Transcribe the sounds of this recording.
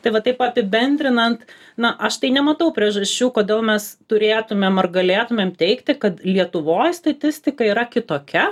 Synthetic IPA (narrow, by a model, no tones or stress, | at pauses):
t̪ɐɪʋɐt̪ɐɪpɐpʲɪbʲɛnʲd̪ʲɾʲɪnɐnt̪ | nɐʔɐʃt̪ɐɪnʲɛmɐt̪ɐʊpʲɾʲiɛʒɐsʲt͡ʃʲuːkoːd̪ʲeːlˠmʲɛst̪ʊɾʲeːt̪ʊmʲemɐrɡɐlʲeːt̪ʊmʲeːmt̪ʲɛɪkt̪ʲɪkɐt̪lʲiɛt̪ʊʋoːjst̪ɐt̪ʲɪsʲt̪ʲɪkɐiːɾɐkʲɪt̪oːkʲɛ